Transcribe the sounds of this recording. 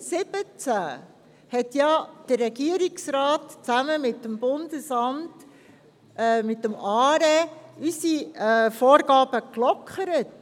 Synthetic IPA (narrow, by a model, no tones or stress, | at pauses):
sɪb̥ət͡sæ | hɛtjɑd̥ərːɛɡiəɾɪksɾɑːtt͡sæməmɪtːəmbʊndəsɑmt | mɪtːəmɑːɾɛysifoːɾɡɑːb̥əklɔkχəɾət